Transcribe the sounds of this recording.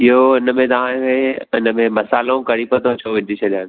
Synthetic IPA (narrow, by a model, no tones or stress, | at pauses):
iɦoɪnəmẽt̪ɐʋ̤ãeɪnəmẽmɐsaːlõkɐɽipət̪ot͡ɕʰoʋɪd̪ʱit͡ɕʰɐdãːn